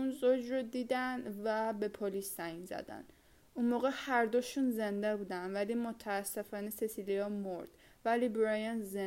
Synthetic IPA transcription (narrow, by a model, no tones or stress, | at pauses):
unzod͡ʒɾod̪iːd̪ænd̪væbepʰolisːæjinzæ̰d̪æ̰n | unmoːɣehæɾd̪oʃunzend̪æbud̪ænvælimot̪ʰæːsːefɒːnesesiliɒmoɾd̪̥ | vælibɾɒjænze